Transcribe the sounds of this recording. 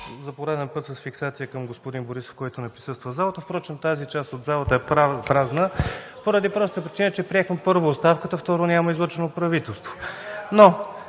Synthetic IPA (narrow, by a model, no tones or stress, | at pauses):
zɐpoɾad̪ɛnpɤt̪səsfiksat̪sijəkəmɡospod̪inboɾiso̥fkɔjt̪ʊnɛpɾisɤst̪vəzalˠət̪əfpɾɔt͡ʃɛnt̪azit͡ʃast̪od̪zalˠət̪əɛpɾaznəpoɾɐd̪ipɾɔst̪əpɾʲit͡ʃinət͡ʃɛpɾiɛxmɛpɤɾvoːtst̪afkət̪əft̪ɔɾonʲaməizlˠɔt͡ʃɛnopɾɐvit̪ɛlˠst̪vo̥no